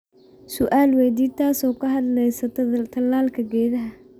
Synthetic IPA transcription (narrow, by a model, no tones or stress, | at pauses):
sʊʔaːlwɛːd̪iːt̪ʰaːsɔːkʰɐɦɐd̪lɛjsɐt̪ʰt̪ʰɐlaːlkʰɐɡɛːðɐɦɐ